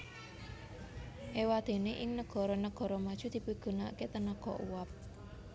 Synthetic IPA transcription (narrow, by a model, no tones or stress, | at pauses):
ʔewad̪̥e̤neʔɪŋnəɡ̥ɔ̤ɾɔnəɡ̥ɔ̤ɾɔmad̥ʒ̥ṳd̪̥i̤piɡ̥ṳna̰ket̪ənəɡ̥ɔʔuwap̚